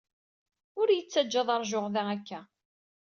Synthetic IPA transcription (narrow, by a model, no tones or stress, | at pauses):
ʊɾjət͡sːæd͡ʒːɑðˤɑɾˤʒʊʁðæækːæ